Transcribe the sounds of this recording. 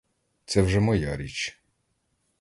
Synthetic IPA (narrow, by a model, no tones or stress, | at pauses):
t̪sɛwʒɛmɔjaɾʲit͡ʃ